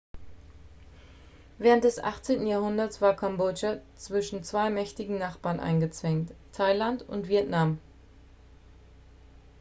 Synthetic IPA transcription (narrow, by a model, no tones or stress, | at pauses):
vɛːʁ̞ənt̚d̥ɛsʔa̰χt͡seːntn̩jaːɐhʊndɐtsv̥aːɐkʰɔmbod͡ʒat͡sv̥ɪʃn̩t͡sv̥aɪmɛçtɪɡŋ̩naχb̥aːɐnʔa̰ɪnɡət͡sv̥ɛŋttʰːaɪlantʊ̰ntv̥iɛtnam